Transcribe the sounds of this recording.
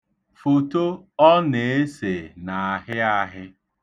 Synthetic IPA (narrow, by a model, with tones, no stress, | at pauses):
fo˨to˦ɔ˦ne˨e˦se˨na˨a˨ɦɪ˦a˦ɦɪ˦